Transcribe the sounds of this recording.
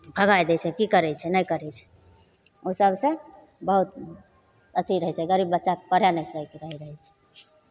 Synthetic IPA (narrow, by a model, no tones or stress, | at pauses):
bʱəɡajd̪ɛt͡ʃʰɛkikəɾɛt͡ʃʰɛnəjkəɾɛt͡ʃʰɛ̥ | osəɡsẽ | bəɦut̪̚ | ət̪ʰiɾəɦɛt͡ʃʰɛɡəɾibːətːʃakepəɾjanɛsəkeɾəɦɛɾəɦɛt͡ʃʰɛ̥